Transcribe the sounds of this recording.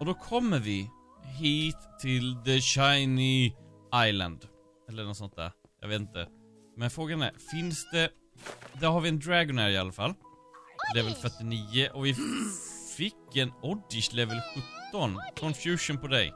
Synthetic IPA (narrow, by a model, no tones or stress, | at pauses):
ɔd̪oːkʰɔmːəʋɪ | ɦiːt̪ʰːɪld̪əɕaɪni | aɪlə̰nd̪ | ɛlːənɔsɔnt̪̚d̪æ̰ːɾ | ja̰ɪʋeːt̪̩t̪ə̰ | mɛnfɾoːɡəɛnə̰fɪnsd̪ɛ | d̪æɾhɑɾʋɪɛnd̪ɾæɡɔnhæːɾɪɑlːəfɑlː | lɛvəlfœʈɪniːəʔɔʋɪ | fɪkːɛnɔd̪ɪʃlɛvəlɧɵt̪ːɔnkʰɔnfjʉːʂʊnpɔd̪ɛɪ